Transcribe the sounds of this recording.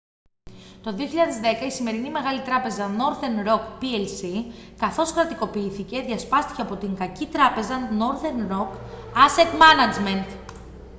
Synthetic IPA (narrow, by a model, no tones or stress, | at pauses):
t̪o̞ðio̞çiʎɐðezðe̞kɐisime̞ɾinime̞ɣɐlit̪ɾɐpe̞zɐno̞ɾðenɾo̞kpielsikɐθo̞skɾɐt̪iko̞piiθice̞ðʝɐspɐst̪i̥ce̞ɐpo̞t̪iŋɡɐcit̪ɾɐpe̞zɐno̞ɾðeɾnɾo̞kɐse̞t̪mɐnɐd͡ʒme̞nt̪